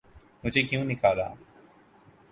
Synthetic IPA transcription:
mʊ̃ːd͡ʒeːkɪjũːnɪkaːd̪a̰ː

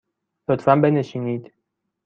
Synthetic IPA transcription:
lot̪ʰfæmbe̞neʃiːniːd̪̥

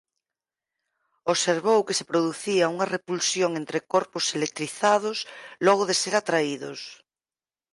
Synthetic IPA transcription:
oseɾβ̞owkesepɾoðuθiauŋɐrepulsjoŋent̪ɾekoɾposelek̚t̪ɾiθaðʊslɔɣ̞oðeseɾat̪ɾaiðo̰s

